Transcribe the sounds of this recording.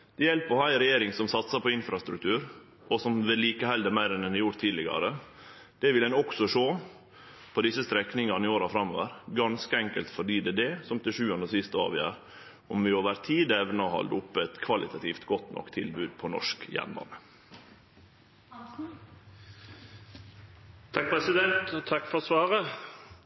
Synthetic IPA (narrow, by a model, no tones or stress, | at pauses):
d̪̥ɛjɛlpɔhæɪɾɛjeːɾɪŋsɔmsɑt̪sɑpʰɔɪnfɾɑst̪ɾʉkt̪ʰʉːɾ | ʔɔsɔmʋɛliːkəhɛld̪əɾmæɪɾɛnd̪ɛnd̪æjʊɾt̪ʰːiːd̪lɪɡɑ̰ɾə | d̪̥ɛʋɪlɛnɔksɔʂoː | pʰɔd̪ɪsːəst̪ɾɛknɪŋɑnɪoːɾɑfɾɑmːoːʋəɾɡɑnskəɛŋkəlt̪fɔɖiːd̪ɛd̪ɛsɔmt̪ɪʂʉːɑnəsɪst̪əɑ̰ːʋjø̰ːɾ | ɔmʋɪoːʋəɾt̪ʰiːd̪ɛʋnɑhɑ̰ld̪ʊpːəɛt̪kʰʋɑlɪt̪ʰɑt̪ʰiːft̪ɡɔt̪nʔɔ̰kt̪ʰːɪlbʉːd̪̚pʰɔnɔ̰ʂkjɛ̰nbɑ̰ːnə | t̪ʰɑk̚pʰʁɛsɪd̪ɛnt̪ɔt̪ʰɑkfɔʁsʋɑːʁə